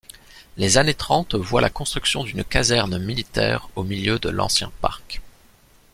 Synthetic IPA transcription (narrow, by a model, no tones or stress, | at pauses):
lezanet̪χɑ̃t̪vwa̰lakɔ̃st̪χyksjɔ̃d̪ynkazɛʁnmilit̪ɛ̰ːʁomiljød̪ə̰lɑ̰̃sjɛ̰̃pa̰ʁk